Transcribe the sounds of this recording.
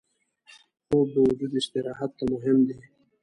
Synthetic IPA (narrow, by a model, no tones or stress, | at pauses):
xobawʊd͡ʒud̪ɪʃt̪ɪɾɑɦat̪̚kamʊɦɪmd̪i